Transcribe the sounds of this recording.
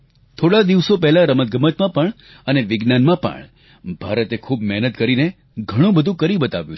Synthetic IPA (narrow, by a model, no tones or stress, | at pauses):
t̪ʰoɽad̪iʋsopɛɦlaɾəmət̪̚ɡəmət̪mãpəɳ | əneʋɪɡnanmãpə̰ɳ | bʱaɾət̪ekʰubmɛɦnət̪kəɾine | ɡʱəɽ̃ũbəd̪ʱũkəɾibət̪a̰ʋjṵ̃t͡ʃʰ